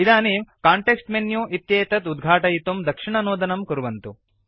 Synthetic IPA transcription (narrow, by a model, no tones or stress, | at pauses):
id̪aːnimkaːɳʈeksʈmenjuʔit̪jeːt̪ɐt̪ud̪ɡʱaːʈɐjit̪omd̪ɐkʂiɳɐnoːd̪ɐnɐmkuɾuʋɐnt̪u